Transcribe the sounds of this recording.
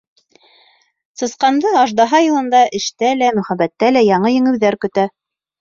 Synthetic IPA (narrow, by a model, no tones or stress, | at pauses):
sɤ̆sqɑnd̪ɤɑʒd̪ɑɦɑjɤ̆lˠɤ̆nd̪ɑʔɘ̆ʃt̪ælæmɵ̆χæbæt̪ːælæjɑɴɤjɘ̆ŋɘ̆wðæɾkɵ̆t̪æ